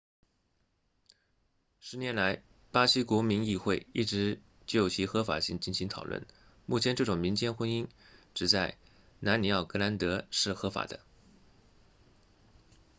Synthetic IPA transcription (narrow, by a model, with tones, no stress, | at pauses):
ʂɻ̩˧˥njɛ˧˥nla˧˥ɪ | pa˥ɕi˥kwɔ˧˥mi˧˥ŋi˥˧xwe˥˧ɪi˥˩ʈ͡ʂɻ̩˧˥ | t͡ɕo˥˩o˩ʊt͡ɕʰi˧˥xɤ˧˥fa̰˨˩ɕi˥˧ŋt͡ɕi˥˩nɕi˧˥ŋt̪ʰɑ˨˩wə̰˥˩n | mu˥˩t͡ɕʰjɛ˧˥nʈ͡ʂɤ˥˩ʈ͡ʂʊ˨˩ŋmi˧˥ŋt͡ɕjɛ˥nxwə˥ni˥ŋʈ͡ʂɻ̩˨˩t͡sa˥˩ɪ | na˧˥nni˧˥ɑ˥˩ʊkɤ˧˥na˧˥nt̪ɤ˧˥ʂɻ̩˥˩xɤ˧˥fa̰˨˩d̪ə̰˦